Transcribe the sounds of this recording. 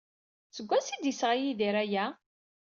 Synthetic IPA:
t͡səɡʷːæsid̪jisʁajiðiɾæjæ

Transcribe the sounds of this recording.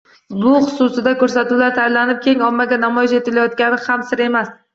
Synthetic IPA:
bʊχʊ̥sʊsɪd̪akɵɾsat̪ulaɾt̪ʰajlanɪp̚kʲʰe̞ŋɒmːaɡʲanamɒjɪʃe̞t̪ʰɪlajɒt̪̚kʲanɪhamsɪɾe̞mas

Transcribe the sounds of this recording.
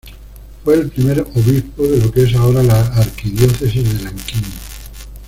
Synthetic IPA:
fwe̞ːlpɾime̞ɾo̞βispoðe̞lo̞ke̞s̬ao̞ɾalaːɾkiðjo̞θe̞sizðe̞laŋkinno

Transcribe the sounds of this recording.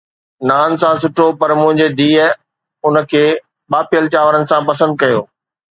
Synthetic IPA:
naːnsãs̬ʊʈʰopɐɾmʊ̃ɦɪ̃ɲd͡ʑed̪iːə | ʊnə̆kʰeː | ɓaːpijəlt͡ɕaːʋəɾənɪ̆sãpɐsə̃nd̪̚kɐjoː

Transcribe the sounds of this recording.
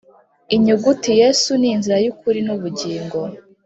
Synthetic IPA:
iɲuɡutije̞ːsuniːnziɾajukuɾinuβuɟiːŋɡo̞

